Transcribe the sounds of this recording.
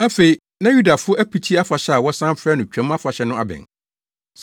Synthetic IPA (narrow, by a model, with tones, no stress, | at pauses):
æ˦fe˨i˦ | nã˦ju˦da˨fʊ˦ʔæ˦pʰi˨tʰi˦a˦fa˨ɕɛ˦a˨wɔ˦sã˦m˦fɾɛ˦nʊ̃˨t͡ɕᶣæ̃˦ma˦fa˨ɕɛ˦nʊ̃˦a̰˦bɪ̰̃˨n | s